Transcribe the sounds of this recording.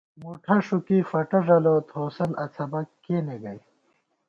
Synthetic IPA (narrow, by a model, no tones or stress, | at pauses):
muʈʰɐʂukifɐʈɐʐɐloːt̪ʰoːsɐlɐt͡sʰɐbɐkkːeːneɡɐj